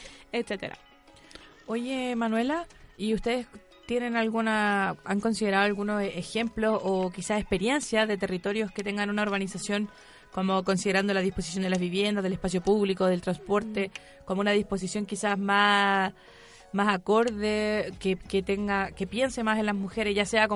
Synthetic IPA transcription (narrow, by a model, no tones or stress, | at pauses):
et̪set̪eɾa̰ | o̞jemanwe̞laiust̪e̞ðes | t̪jene̞nalɣunaaŋko̞nsið̞e̞ɾaðoalɣunosexe̞mplo̞sokisaespe̞ɾje̞nsjaðe̞t̪e̞rit̪o̞ɾjo̞sket̪e̞ŋɡanunaoɾɣanisasjo̞n | ko̞mo̞ko̞nsið̞eɾand̪olað̞ihpo̞s̬isjond̪elazβiβje̞nd̪azðelehpas̬jo̞puβlikoðelt̪ɾanspo̞ɾt̪e̞ | komounaðispo̞s̬isjo̞ŋkisasma | masako̞ɾðekeket̪eŋɡake̞pje̞nsemasenlazmuxeɾesʝase̞ako